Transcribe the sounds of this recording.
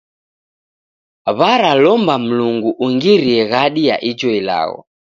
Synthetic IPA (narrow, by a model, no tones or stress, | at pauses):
βaɾalɔmbam̩luŋɡuʔuŋɡiɾiɛɣaɗija̰ʔid͡ʒɔila̰ɣɔ̰